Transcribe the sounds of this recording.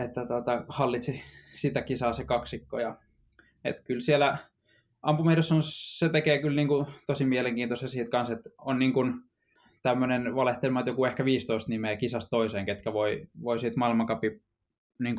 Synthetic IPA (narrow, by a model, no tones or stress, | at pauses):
et̪ːæt̪ot̪ɑhɑlːit̪sisit̪ækisɑːsekɑksikːojɑ | ḛt̪kylsielæ | ɑmpumerɑsːonsset̪ekeːkylniːŋkut̪osimieleŋkiːnt̪osjɑsiːt̪kɑnset̪onniːŋkun | t̪æmːønenʋɑleht̪elʲmɑet̪jokuehkæʋiːst̪oist̪nimekisɑst̪t̪oiseːŋket̪kæʋoiʋoisiːt̪mɑilmɑkɑpi | niːŋk